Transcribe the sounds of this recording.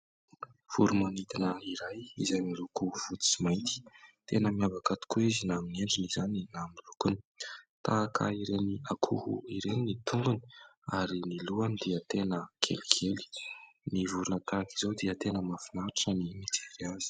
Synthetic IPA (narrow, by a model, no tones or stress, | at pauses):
v̥uɾumanit̪inəiɾajḭzajmilukuv̥ut̪u̥t͡simajnt̪i̥t̪enəmiavakat̪u̥kuizinamineɳɖ͡ʐinizaninamilukuni̥t̪aːkʰə̰iɾeniakʰuhṵiɾeninit̪uŋɡuni̥aɾiniluanid̪iət̪enəkʰḛlikʰeli̥nivuɾunət̪aki̥zod̪iət̪enəmafinaɾaʈ͡ʂənimit͡seɾiazi̥